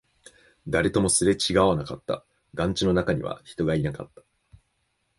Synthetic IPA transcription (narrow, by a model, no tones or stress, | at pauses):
d̪aɾe̞t̪o̞mo̞sɨɾe̞t͡ɕiɡaβanakat̪ːa̰ | ɡãɲ̟t͡ɕino̞nakaɲ̟ḭβa̰çi̥t̪o̞ɡainaka̰t̪ːḁ